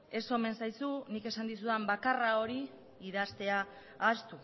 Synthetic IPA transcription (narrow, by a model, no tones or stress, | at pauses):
e̞so̞me̞nsajsunike̞sand̪isuðambakarao̞ɾi | iðast̪e̞aː | st̪u